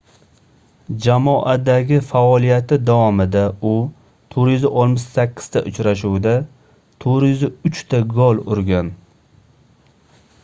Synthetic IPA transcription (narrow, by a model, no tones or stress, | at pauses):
d͡ʒamɒʔad̪aɡʲɪfaɒlˠijat̪ɪd̪awɒmɪd̪aʊ | t̪ʰoɾjzɪʔɒlˠmɪʃsakʲʰːɪ̥z̥t̪ʰaʔʊt͡ʃɾaʃuwd̪a | t̪ʰoɾjʊzɪʊt͡ʃt̪ʰaɡɒlˠʊ̰ɾɡʲan